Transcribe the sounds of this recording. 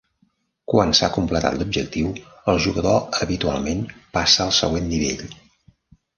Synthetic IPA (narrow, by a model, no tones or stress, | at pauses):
kwansa̰kumplət̪a̰t̪lub̚ʒək̚t̪iwəlˠʒuɣəðoəβit̪ua̰lˠmenpasəːlˠsə̰ɣwenːiβḛʎ